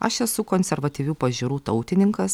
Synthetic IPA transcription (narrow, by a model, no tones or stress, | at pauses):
ɐʃɛsʊkoːnʲsʲɛɾʋɐt̪ʲiʋʲuːpɐʒʲɪɾuːt̪ɐʊt̪ʲɪnʲɪŋkɐs